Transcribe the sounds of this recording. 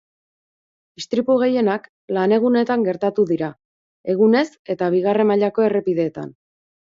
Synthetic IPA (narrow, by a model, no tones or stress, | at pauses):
ist̪ɾipuɣ̞e̞je̞nak | lane̞ɣ̞une̞t̪aŋɡe̞ɾt̪at̪uðiɾa | e̞ɣ̞une̞se̞t̪aβ̞iɣ̞are̞maʎako̞e̞re̞piðe̞ːt̪a̰n